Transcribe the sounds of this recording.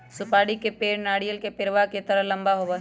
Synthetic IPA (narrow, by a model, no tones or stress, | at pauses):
sʊpaːɽikepeːɾnaːɽijəlkepɪɾʋaket̪əɾəɦlɐ̃mbaɦoːba